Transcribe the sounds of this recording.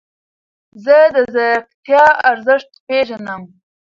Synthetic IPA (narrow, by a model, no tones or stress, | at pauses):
zəd̪əzaɾqt̪jɑaɾzɪʂt̪peʒanəm